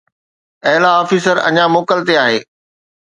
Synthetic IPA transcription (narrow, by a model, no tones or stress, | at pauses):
ɐɦɪlaɔːfiːsəɾɐ̰ɲamoːkəlt̪eaːɦeː